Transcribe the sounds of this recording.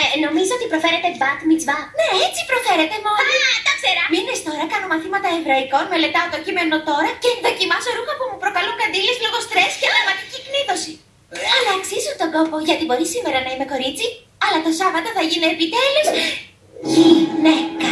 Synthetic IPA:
eno̞mizoo̞t̪ipɾo̞fe̞ɾe̞t̪ebɐt̪mit͡svɐne̞et͡si̥pɾo̞fe̞ɾe̞t̪e̞monɐd̪ɐkzeɾɐminest̪o̞ɾɐkɐno̞mɐθimɐt̪ɐevɾɐikonme̞le̞t̪ɐond̪o̞cime̞no̞t̪o̞ɾɐce̞ðocimɐso̞ɾuxɐpumupɾo̞kɐluŋkɐnd̪ilezlo̞ɣo̞st̪ɾe̞sceɐmɐt̪icikniðo̞si | ɐlɐːksizut̪o̞ɡo̞po̞ʝɐt̪ibo̞ɾisime̞ɾɐnɐime̞ko̞ɾit͡si | ɐlɐt̪osɐvɐt̪ɐθɐʝineːpit̪eles | ʝinekɐ

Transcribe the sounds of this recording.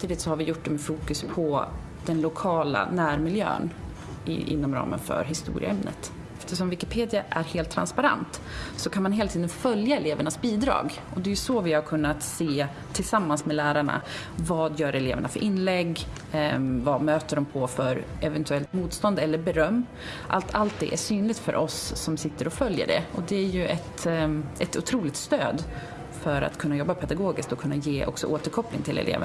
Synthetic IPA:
mt̪iːd̪ɪt̪sɔhaɾvɪjʊʈ̚ːd̪ɛmɛfuːkɵspʰɔ | d̪̥ɛnlʊkʰɑːla̰næːɾmɪljø̰ːn | ɪ̰ʔɪ̰nːɔmɾɑ̰ːmʔə̰nfœ̰ɾɦɪst̪ṵːɾɪə̰ɛmnə̰t̪ | ɛft̪əʂɔmvɪkɪpʰeːd̪ɪaʔæɾheːlt̪ʰːɾa̰nspaɾa̰nt̪sɔkʰanmanɦeːlat̪ʰiːd̪ənfœljaɛleːvəɳasbiːd̪ɾɑ̰ːɡ | ɔd̪ɛjɵsoːvɪhaɾkʰɵnːat̪seː | t̪ʰːɪlsamːansmɛlæːɾaɳa̰ | vɑːd̪jœːɾɛlḛːvəɳafœɾʔɪnːlɛɡː | vamøːt̪əɖɔmpʰɔfœɾ | ɛvɛnt̪ɵɛlt̪muːt̪st̪ɔnd̪ɛlːəɾbɛɾœmː | ʔalt̪ʰalt̪̚d̪ɛ̰ʔæʂyːnlɪɡt̪fœ̰ɾʔɔsːɔmsɪt̪ːəɾɔfœljə̰ɖɛ̰ɔd̪ɛæɾjɵʔɛt̪ʔɛt̪ʊt̪ʰɾuːlɪɡ̚t̪st̪øːd̪ | fœɾa̰t̪kʰɵnːajɔbːapʰɛd̪aɡoːɡɪskt̪ɔkʰɵnːajeːʔɔ̰ksɔ̰ʔoːt̪əɾkʰɔpːlɪ̰ŋt̪ʰɪlɛ̰lḛːv̰

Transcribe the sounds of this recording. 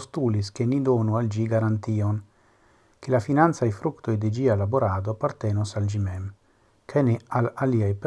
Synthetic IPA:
st̪uːliskenid̪onuald͡ʒiɡaɾant̪ion | kelafinant̪sajfɾukt̪ojd̪ed͡ʒialaboɾaːd̪oapaɾt̪ɛnosald͡ʒimɛm | kʰanealaliajp

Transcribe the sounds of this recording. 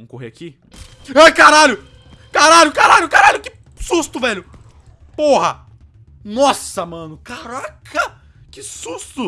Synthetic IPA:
ɐ̃w̃koɦḛaki | ajkaɾaʎʊ | kaɾaʎʊkaɾaʎʊkaɾaʎʊkɪ | sust̪ʊvɛʎʊ | pohɐ̰ | nɔsɐmɐ̃nʊkaɾakʰɐ | kɪsust̪ʊ

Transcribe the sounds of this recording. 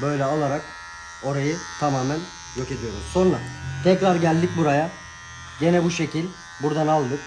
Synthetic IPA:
bø̞jlʲɛolˠaɾak | o̞ɾajɯt̪ʰamaːmæn | jo̞ce̞d̪ijo̞ɾṵmso̞nɾat̪ʰɛcɾaɾɟælʲd̪ic̚buɾaja | ɟe̞nɛbuʃe̞cʰilʲ | buɾd̪analˠd̪ɯk

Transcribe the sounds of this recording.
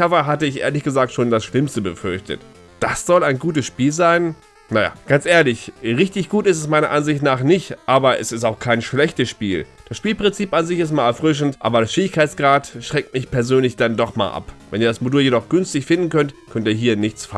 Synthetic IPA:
avɐɦatəɪçʔḛːɐlɪçɡ̥əzaːk̚tʃoːndasʃlɪmstəbəfʏɐçtə̰t | d̥asz̥ɔlaɪnɡuːt̬əsʃpiːlzaɪn | naja̰ːɡ̥ant͡sʔeːɐlɪçʁɪçtɪçɡ̥uːtɪs̬tɛsmaɪnɐʔanzɪçtnaːχnɪçtʔaːbɐʔɛ̰sɪstaʊxkʰaɪnʃlɛçtəsʃpiːld̥asʃpiːlpʁ̥ɪnt͡siːpanzɪçɪs̬tmaːɛɐfʁ̥ʏʃ̬n̩tʔa̰ːbɐɾasfeːɪçkʰaɪt͡sɡ̥ʁaːtʃʁ̥ɛk̚t̚mɪçpɛɐzøːnlɪçd̥andɔχma̰ːlʔa̰pvɛ̰niːɐdasmoduːljedɔχɡ̥ʏnstɪçfɪndn̩kʰœntkʰœntiːɐɦiːɐnɪçt͡sfa

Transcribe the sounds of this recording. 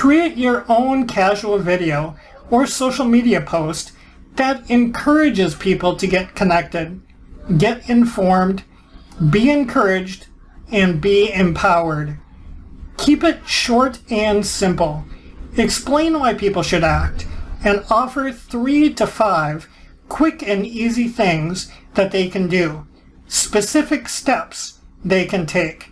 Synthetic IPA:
kʰɹ̥iɨt͡ʃə˞ʔõʊ̃nkʰæʒwl̩ˠvɪɾioʊ | ə˞soʊʃl̩ˠmiɾiɨpʰoʊst | ðɨɾɨ̃nkʰɜ˞ɨd͡ʒɨz̥pʰipl̩ˠtʰɨɡɛt̚kʰɨnɛk̚tɪd̚ | ɡɛɾɨ̃ɱfɔɹmd | biɨ̃nkʰɜ˞ɪd͡ʒd | ɨ̃nbiɪ̃mpʰaʊə˞d̚ | kʰipɨt̚ʃɔɹɾɨ̃nsɪ̃mpl̩ˠɨksplẽɪ̃nwaɪpʰipl̩ˠʃɨɾæk̚tɨ̃nɔfə˞θɹiɾɨfaɪv̥ | kʰw̥ɪkɨ̃niziθɪ̃ŋzðɨt̪̚ðeɪkʰɨ̃ndɨ | spɨsɪfɨkstɛpsðeɪkʰɨ̃ntʰeɪk

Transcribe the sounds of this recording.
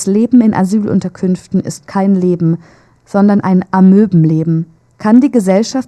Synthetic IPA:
sleːbm̩ɪnʔa̰zyːlʔʊ̰ntɐkʰʏnftn̩ɪ̰stkʰaɪnleːbm̩ | z̥ɔndɐnʔaɪnʔamøːbm̩leːbm̩ | kʰandiːɡəzɛlʃaf

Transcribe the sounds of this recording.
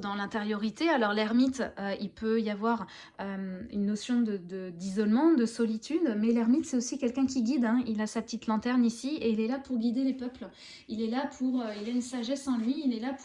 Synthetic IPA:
d̪ɑ̃lɛ̃t̪eʁjɔʁit̪ealɔʁlɛʁmit̪øilpøijavwaʁ | ømynːosjɔ̃d̪əd̪əd̪izɔlmɑ̃d̪əsɔlit̪ʰyd̪mɛlɛʁmit̪sɛt̪osikʲɛlkʲɛ̃kʲiɡʲid̪ɛ̃ilasapə̥t̪it̪lɑ̃t̪ɛʁnisieilɛlapʰuʁɡʲid̪elepœpl | ilɛlapʰuʁøilaynsaʒɛsɑ̃lɥiːlɛlap

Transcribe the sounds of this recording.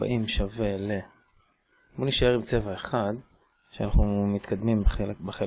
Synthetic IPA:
ba̰ʔimʃave̞le̞ | boniʃae̞ʁimt͡se̞vaeχad̪ | ʃeanaχnumit̪kad̪mimbbeχe

